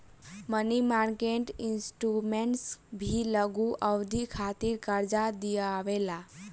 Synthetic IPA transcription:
mənimaɾkeɳʈinsʈɾumeɳʈsbʱiləɡuʔəwd̪ʱikʰat̪iɾkəɾd͡ʒad̪ijaʋela

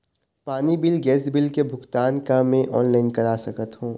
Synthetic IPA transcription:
paːnibɪlɡɛːsbɪlkebʱʊkt̪aːnkamẽʔɔːnlaːɪnkɐɾaːsɐkət̪ɦõː

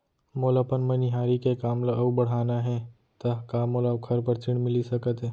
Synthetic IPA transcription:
moːlapənmɐniɦaːɾikekaːmlaʔɐubɐɽ̤aːnaɦɛ̃ | t̪ɐkaːmolakʰɐɾpəɾt͡ʃɪɽ̃mɪlisɐkət̪ɦeː

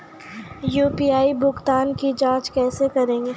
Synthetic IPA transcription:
juːpiːaːibʱʊɡt̪aːnkid͡ʒãːt͡ʃkɛːsekɐɾẽːŋɡe

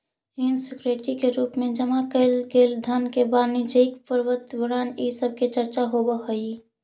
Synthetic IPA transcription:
ɪnsɪkɾeʈikeɾuːpmẽd͡ʒəmakəlɡeːld̪ʱənkebaːnɪd͡ʒəikpəɾʋət̪bəɽaːnisəb̚ʱket͡ʃəɾt͡ʃaɦobəɦoi

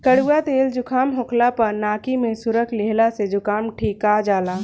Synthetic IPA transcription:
kəɽuːat̪eːld͡ʒʊkʰaːmɦokʰlapɐɾnaːkimẽsʊɾəkʰleɦlased͡ʒʊkaːmʈʰiːkad͡ʒaːlaː

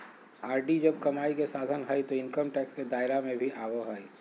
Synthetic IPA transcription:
aːɾɖid͡ʒɐb̚kɐmaːikesaːd̪ʱənɦəit̪oɪnkəmʈɛːksked̪aːɪɾamẽbʱiʔaːʋoɦəi

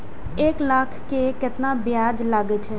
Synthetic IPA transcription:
eːklaːkʰkekɪt̪nabjaːd͡ʒlaːɡet͡ʃʰɛ

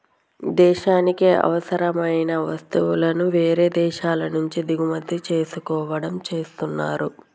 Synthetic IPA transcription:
d̪ɛːʃaːnikiʔɐ̰ʋɐsɐɾɐmɐjnɐʋɐst̪uwulɐnuʋe̞ːɾe̞ːd̪ɛːʃaːlɐnuɲt͡ʃid̪iɡumɐd̪ːit͡ʃe̞ːsukɔːʋɐɽɐmt͡ʃe̞ːst̪unːaːɾu

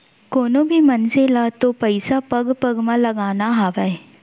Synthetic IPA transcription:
koːnõbʱimɐnselaːt̪opɐɪsapɐɡpɐɡmãlɐɡaːnaɦaːʋaɛ

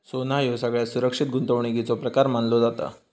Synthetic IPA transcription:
sonajosəɡɭjasuɾəkʂit̪̚ɡunt̪əʋɳiɡit͡sopɾəkaɾmanlod͡zat̪ə̰

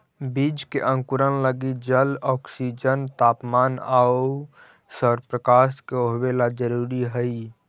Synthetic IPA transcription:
biːd͡ʒkeʔə̃ŋkʊɾənləɡid͡ʒəlɔːksid͡ʒənt̪aːpmaːnaːo | səɾpɾəkaːskeoɦwelad͡ʒəɾuːɾiɦəi

